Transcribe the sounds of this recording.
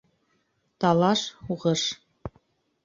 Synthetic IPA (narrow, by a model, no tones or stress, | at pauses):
t̪ɑlˠɑʃuʁɤʃ